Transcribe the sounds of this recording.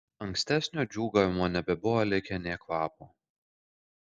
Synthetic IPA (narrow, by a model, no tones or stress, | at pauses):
ɐŋksʲt̪ʲæsʲnʲoːd͡ʒʲuːɡɐːʋʲɪmoːnʲɛbʲɛbʊʋoːlʲɪkʲɛnʲeːkʋɑːpoː